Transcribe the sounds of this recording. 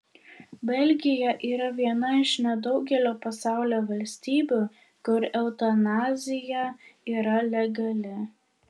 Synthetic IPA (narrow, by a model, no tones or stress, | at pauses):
bʲɛlʲɡʲɪjɛʔiːɾɐʋʲiɛnɐɪʃnʲɛd̪ɒʊɡʲɛlʲoːpɐsɑˑʊlʲoːʋɐlʲsʲt̪ʲiːbʲuː | kʊɾɛʊt̪ɐnɑːzʲɪjɛiːɾɐlʲɛɡɐlʲɪ